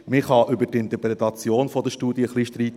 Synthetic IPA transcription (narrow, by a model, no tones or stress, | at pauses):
mɪχhɑʔʏbətɪnt̪əɾpɾet̪ɑt͡sjoːnfɔd̥̪əʃtuːd̪iəχliʃtɾiːt̪